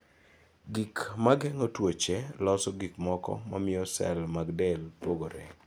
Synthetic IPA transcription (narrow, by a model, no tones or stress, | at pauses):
ɡikmaɡɛŋotwot͡ʃɛlɔsɔɡikmɔkɔ̰ma̰mɪɔsɛ̰lmaɡdɛlpoɡoɾɛ̰